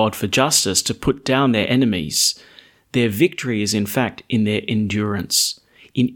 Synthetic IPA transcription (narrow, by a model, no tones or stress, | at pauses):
ɑd̥fə˞d͡ʒʌstɨstʰɨpʰʊt̚d̥ãʊ̃nðə˞ʔɛnɨmḭz̥ | ðə˞vɪk̚tʰə˞iɨzɨ̃nfæk̚tɨ̃nðə˞ʔɨ̃ndjʊɹɨ̃ns | ʔɨ̃n